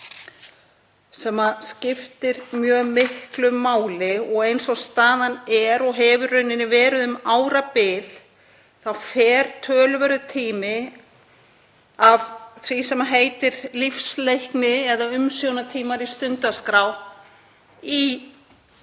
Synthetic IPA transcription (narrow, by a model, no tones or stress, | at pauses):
sɛmascɪft̪ɪɾmjœːmɪhklʏmːaːwlɪɔɣejnsɔst̪aːðanɛɾɔɣɦɛvʏrœɥnɪnːɪvɛːɾʏðʏmaːwɾapɪl̥ | θawfɛːɾ̥t̪ʰœːlvɛɾʏt̪ʰiːmɪ | avθvisɛmaɦeːjt̪ɪɾlifslejhknɪɛðaʏmsjownat̪ʰiːmaɾist̪ʏnt̪askɾaːw | i